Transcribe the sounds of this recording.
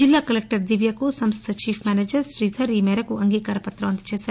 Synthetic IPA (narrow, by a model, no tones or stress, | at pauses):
d͡ʒilːaːkɐlek̚ʈɐɾd̪iʋjɐkusɐmst̪ʰɐt͡ʃiːpʰmʲaːneːd͡ʒɐɾsɾiːt̪ʰɐɾiːmɛːɾɐkuɐŋɡiːkaːɾɐpɐt̪ːɾɐʋɐnt̪ɐ̥t͡ʃeːsaːɾ